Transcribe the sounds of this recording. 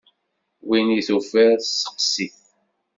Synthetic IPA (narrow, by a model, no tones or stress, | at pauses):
winiθufiɾsːə̥qsiθ